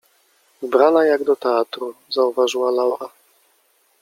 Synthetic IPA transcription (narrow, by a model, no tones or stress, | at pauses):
vbɾanajaɡd̪ɔt̪ɛat̪ɾuzauvaʐɨwalawɾa